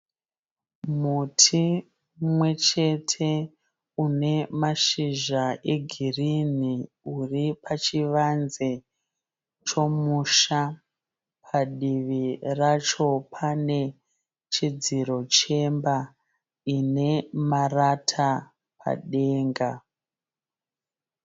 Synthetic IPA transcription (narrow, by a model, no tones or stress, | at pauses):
mutʰi | mwe̞t͡ʃe̞tʰe̞ | une̞maʃiʒaʔe̞ɡʱirini | uripʰat͡ʃiʋanze | t͡ʃo̞muʃa | pʰaɗiʋirat͡ʃo̞pʰane̞ | t͡ʃid͡ziɾo̞t͡ʃe̞mba | ine̞maratʰa | pʰa̰ɗe̞ːŋɡa